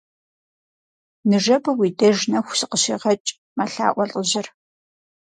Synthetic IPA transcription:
nɨʐɐbɐwiːdɐʒnɐxʷʊsɨqəɕḭːʁɐt͡ʃʼ | maɬa̰ːʔʷɔɬʼəʑɪr

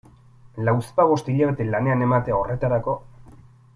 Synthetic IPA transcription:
lawspaβ̞o̞st̪iʎaβe̞t̪e̞lane̞ane̞mat̪eaore̞t̪aɾako̞

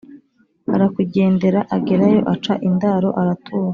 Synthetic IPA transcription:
a̰ɾakuɟe̞ːnde̞ɾaʔaɡeɾajo̞̰ʔat͡ʃa̰ʔindaːɾo̞ʔaɾatʰuːɾa

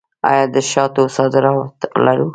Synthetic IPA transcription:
ɑ̰jɑd̪əʃɑt̪osɑd̪ɪɾɑt̪laɾu

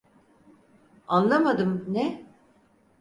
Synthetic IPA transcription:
anlˠamad̪ɯmnɛ

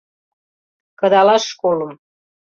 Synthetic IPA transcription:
kɤ̆d̪ɑlɑʃkoləm

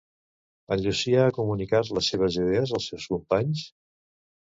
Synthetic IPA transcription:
əʎusiaːkumunikazləseβ̞əzið̞eəzəlˠsewskumpaɲs

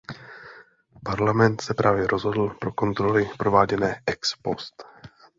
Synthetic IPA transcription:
paɾlamɛnt̪sɛpɾʔaːvjɛɾʔo̞zɦo̞dl̩pɾo̞ko̞nt̪ɾo̞lɪpɾo̞vaːɟɛnɛːʔɛkspo̞st̪

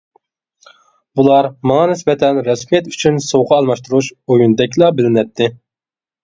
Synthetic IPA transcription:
bulˠɑɾmɑŋɑnɪsbɛt̪ʰɛnɾɑsmijɛt̪y̥t͡ʃʰynsowqʰɑːlˠmɑʃt̪uɾut͡ʃojund̪ɛkʲlˠɑbɪlɪnɛt̪ʰːɪ

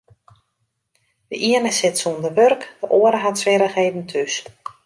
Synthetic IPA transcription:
də̰ʔiənəsɪtsuəndəʋørkd̥əʔoəɾəɦatsʋɪɾəɣeːdn̩tʰys

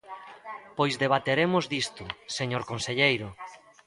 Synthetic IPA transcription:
pojzðeβ̞at̪eɾemʊzd̪ist̪ʊseɲoɾkonseʎejɾʊ

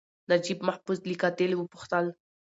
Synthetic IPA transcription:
nad͡ʒibmaħbuslikat̪elwupʊ̥xt̪al

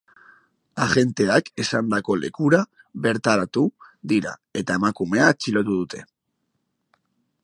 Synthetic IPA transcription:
aʝe̞nt̪e̞ake̞sand̪ako̞le̞̰kuɾa | βe̞ɾt̪aɾat̪uðiɾa̰e̞t̪ae̞makume̞at͡ʃilot̪uðut̪ʰe̞

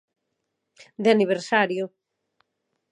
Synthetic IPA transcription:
d̪aniβ̞eɾsaɾjʊ

